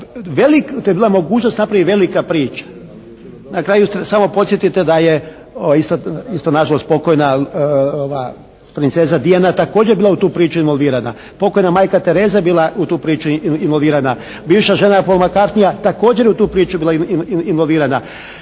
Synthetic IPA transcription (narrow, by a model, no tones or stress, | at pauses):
ʋelikt̪obiːlˠamo̞ɡuːt͡ʃnost̪napɾaʋiʋe̞likapɾiːt͡ʃḁ | nakɾaːjust̪samo̞po̞t̪sʲje̞t̪it̪ed̪aje | oist̪aist̪onaʒalˠo̞st̪̚po̞kojnaoʋaː | pɾint̪se̞ːzad̪ianat̪ako̞ːd͡ʑeɾbiːlˠaut̪uːpɾiːt͡ʃuinʋolˠʋiːɾana̰ | po̞kojnamaːjkat̪e̞ɾe̞ːzajebiːlˠaut̪uːpɾiːt͡ʃuinʋolʋiːɾana | biːʋʃaʒe̞napolmakaɾt̪nijat̪ako̞ːd͡ʒeɾjeut̪uːpɾiːt͡ʃubiːlainʋolʋiːɾana